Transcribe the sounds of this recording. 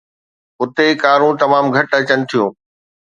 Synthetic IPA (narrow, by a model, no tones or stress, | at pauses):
ʊt̪ekaːɾũt̪ɐmaːmɡʱɐʈɐt͡ɕənɪ̆t̪ʰijõː